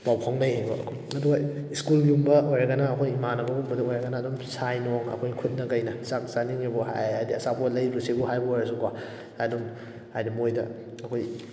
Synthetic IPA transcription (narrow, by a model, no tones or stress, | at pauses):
pawkʰaŋnɐjebɐ̰ɐ̰kʰojɐduɡɐiskulɡiumbɐojɾɐɡɐnaːkʰojimanɐbɐɡumbɐdɐojɾɐɡɐnaːdɔmsajnoŋɐ̰kʰojkʰut̚nɐkɐjnɐsaksaniŋibuɦa̰jajdiɐsabolɐjɾusibuɦajbɐojɾɐs̬uka | adum | hajdimojdɐ̰ | ɐkʰoj